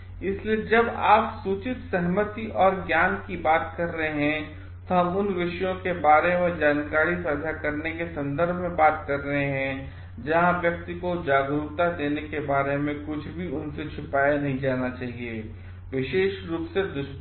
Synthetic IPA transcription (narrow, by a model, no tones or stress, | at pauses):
ɪslied͡ʒɐba̰ːpsuːt͡ʃɪt̪sɛɦmət̪iʔɔːɾɡjaːnkibaːt̪kɐɾːəɦeɦɛ̃ | t̪oɦɐmʊnʋɪʃəjõkebaːɾemẽd͡ʒaːnkaːɾisad̪ʱjakɐɾnekesɐ̃nd̪əɾbʱmẽbaːt̪kɐɾːəɦeɦɛ̃ | d͡ʒɐɦãʋjɐk̚t̪ikod͡ʒaːɡɾuːt̪ad̪eːnekebaːɾemẽkʊt͡ʃʰbʱiʊnset͡ʃʰʊpaːjanɐɦĩd͡ʒaːnat͡ʃaːɦieː | ʋɪʃeːʃɾuːpsed̪ʊʃ